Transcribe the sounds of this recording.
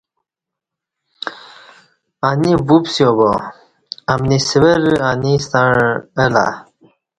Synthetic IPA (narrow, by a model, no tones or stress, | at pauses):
anibupsjobo | ɐmnisiweɾanist̪aɳela̰